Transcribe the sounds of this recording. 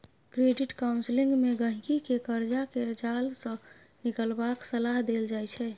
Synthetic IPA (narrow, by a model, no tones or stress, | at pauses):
kɾeɖɪʈkaʊ̃nslĩŋɡmeɡə̃ɦkikekəɾd͡ʒakeɾd͡ʒalsə̃ | nikəlbaksəlaɦd̪eld͡ʒaɛt͡ʃʰɛ